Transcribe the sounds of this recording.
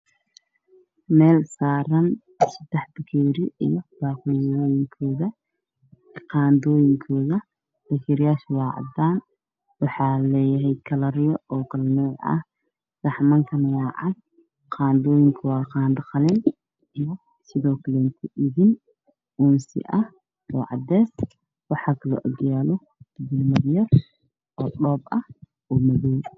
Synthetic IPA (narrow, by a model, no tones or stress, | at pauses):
mɛːlsaːɾɐn | sɐd̪ɛħb̪ɐkʰɛːɾɪḭjɔb̥aːqʊːjɔːjɪŋkʰɔːðɐ | qɑːnd̪ɔːjɪŋkʰɔːðɐ | d̥ɐkʰɛɾɪjaːʃwɑːʕɑ̰d̪aːn | wɑħɑːlɛːjɐɦɛjkʰɐlɐɾɪjɔɔːkʰɐlnɔːʕɐ̰h | r̥ɑħmɐŋkʰɐnɐjaːʕɑ̰d̪̚ | qʰɑːnd̪ɔːjɪŋkʰɐwɑːqɑːnd̪ɐqɑlɪn | ijɔ | sɪðɔːkʰɐlɛːnt̪ʰɐʔɪðɪn | ʔunsɪ̰ʔɐh | ʔɔːʕɑ̰d̪ɛːs | wɑħɑːkʰɐlɔ̰ʔɔ̰ɡjaːlɔ | bɪlmɐðjɐr | ʔɔːɗɔːbɐh | ʔɔːmɐðɔːj